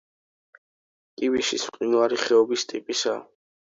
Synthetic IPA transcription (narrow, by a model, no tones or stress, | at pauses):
kʼiviʃisqʼinuaɾiχɛɔbist̪ʼipʼisa